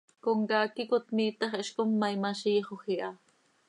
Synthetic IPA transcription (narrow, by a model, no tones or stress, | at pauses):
koŋkɑːkikʊt̪miːt̪ɑχʔeʃkomːajmɑʃiːχoχiʔɑ